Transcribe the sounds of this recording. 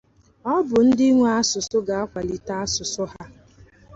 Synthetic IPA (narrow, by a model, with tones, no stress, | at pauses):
ɔ˦bʊ˨n̩˦dɪ˦ŋʷ˨˦a˦sʊ˨sʊ˦ɡa˨a˦kʷa˨li˨ta˦a˦sʊ˨sʊ˦ɦa˦